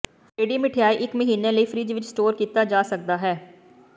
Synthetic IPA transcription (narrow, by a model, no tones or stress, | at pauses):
ʈeːɖiːmɪʈʰijaːiʔɪkməɦiːneləiːfʰɾiːd͡ʒʋɪt͡ʃsʈoːɾkiːt̪ad͡ʒaːsək̚d̪aːɦɛː